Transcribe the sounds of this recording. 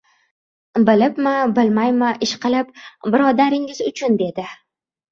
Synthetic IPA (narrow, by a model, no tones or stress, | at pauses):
bɪlɪpmɪbɪlmajmaʔɪʃqɨlɪp̚bɪɾɒd̪aɾɪŋɪzʊt͡ʃʰʊnd̪e̞d̪ɪ